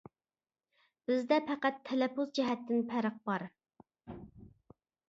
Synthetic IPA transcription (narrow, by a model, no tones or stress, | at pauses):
b̥ɪzd̪ɛpʰɛqæt̪ʰːɛlɛpʰuzd͡ʒɛɦɛt̪ʰːɪnpʰæɾəq̚bɑɾ